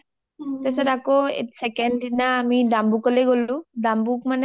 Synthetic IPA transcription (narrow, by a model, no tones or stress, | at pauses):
tesɔtako̰sɛkɛndinaːmidambukɔleɡolũdambukmanɛ